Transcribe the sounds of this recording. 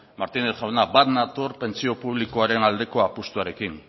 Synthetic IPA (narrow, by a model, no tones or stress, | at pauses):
maɾt̪ineɾʝawnabat̪nat̪oɾpe̞nt͡sio̞puβlikoaɾe̞nald̪e̞ko̞apust̪uaɾe̞kin